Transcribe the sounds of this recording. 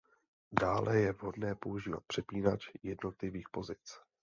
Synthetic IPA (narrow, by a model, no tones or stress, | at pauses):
daːlɛjɛvɦo̞dnɛːpo̞uʒiːva̰t̪̚pr̝̥ɛpiːnat͡ʃjɛdno̞t̪lɪviːxpo̞zɪt͡s